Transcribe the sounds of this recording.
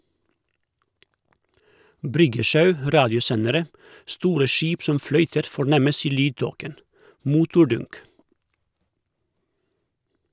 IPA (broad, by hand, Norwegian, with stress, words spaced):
ˈbɾʏɡəˌʃɑʉ ˈɾɑːdɪʊˌsɛnəɾə ˈstuːɾə ˈʃiːp ˈsɔm ˈflœʏtəɾ fɔˈɳɛməs ˈiː ˈlyːdˌtoːkən ˈmʊtʊˌɖʊnk